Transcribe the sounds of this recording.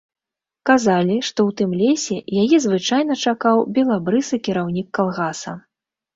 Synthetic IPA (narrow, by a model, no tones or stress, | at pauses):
kazalʲiʂt̪ɔwt̪ɨmlʲɛsʲɛjajɛzvɨt͡ʂajnɐt͡ʂakawbʲɛlˠabɾɨsɨkʲiɾawnʲikːalˠɣasɐ